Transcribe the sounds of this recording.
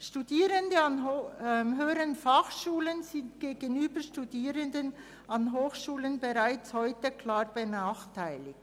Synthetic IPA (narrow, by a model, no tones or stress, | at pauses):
ʃtudiːɾəndəɑnmɦøːəɾənfaχʃuːlənzɪntɡ̥eːɡənyːbəʃtudiːɾəndən | ɑnɦoːxʃuːlənbəʁaɪt͡shɔʏtəkʰl̥aːʁbənaːχtʰaɪlɪk̚t